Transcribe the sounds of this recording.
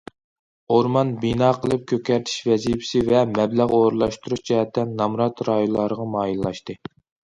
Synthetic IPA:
oɾmɑnbinɑːqʰəlˠɨp̚kʲʰøkʲɛɾt̪ʰi̥ʃvɛzipʰɪ̥sɪvɛmɛblæʁoːɾɨlˠɑʃt̪uɾuʃd͡ʒɛɦɛt̪ʰːɛnnɑmɾɑt̪ɾɑjolˠɑɾəʁɑmɑːjillːˠɑʃt̪ɨ

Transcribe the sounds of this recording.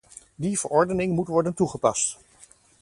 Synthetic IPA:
div̥əɹɔɹdənɪŋmutʋɔɹdəntuχəpɑst

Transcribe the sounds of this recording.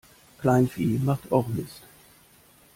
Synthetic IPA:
kʰlaɪnfiːmaχtʰɔχmɪst

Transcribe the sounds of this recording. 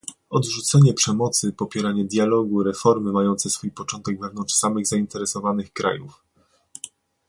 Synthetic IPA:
ɔd̪ʐut̪sɛɲɛpʂɛmɔt̪sɘpɔpʲjɛɾaɲɛd̪ʲjalɔɡuɾɛfɔɾmɘmajɔnt̪sɛsfujpɔt͡ʂɔnt̪ɛɡvɛvnɔnt͡ʂʂsamɘɣzaint̪ɛɾɛsɔvanɘxkɾa̰juf

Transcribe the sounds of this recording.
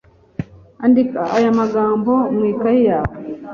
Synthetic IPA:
andikaajamaɡaːmbomwikaijaːwe

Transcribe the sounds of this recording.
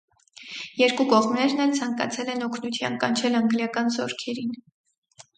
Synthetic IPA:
jɛɾkukɔʁmnɛɾnɛlt͡sʰɑŋkɑ̰t͡sʰɛlɛnɔkʰnut̪ʰjɑ̰nkɑnt͡ʃʰɛlɑŋɡljɑkɑnzɔɾkʰɛɾin

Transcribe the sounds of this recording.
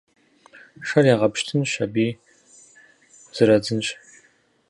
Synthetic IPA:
ʂɐrjaːʁɐpʃtʰɨnɕɐbiː | z̥ɨɾɐd͡zɨnɕʼ

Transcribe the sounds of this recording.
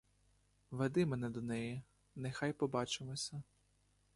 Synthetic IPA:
ʋed̪ɪmɛnɛd̪ɔnɛji | nɛxɑjpɔbɑt͡ʃɪmɔsʲɐ

